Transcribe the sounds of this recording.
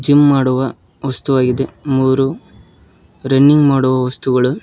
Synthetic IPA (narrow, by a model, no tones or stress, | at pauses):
d͡ʒimːaːɽuʋɐ | ʋɐst̪uʋaːɡid̪emuːɾu | ɾɐnːiŋɡmaːɽuʋɐʋɐst̪uɡɐɭu